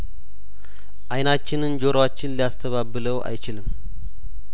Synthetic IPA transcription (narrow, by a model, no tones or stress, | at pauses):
ʔajnat͡ʃːɪnɨnd͡ʒoɾəwat͡ʃːɪnlijast̪ʰəβabɨləwʔa̰jt͡ʃɪlɨm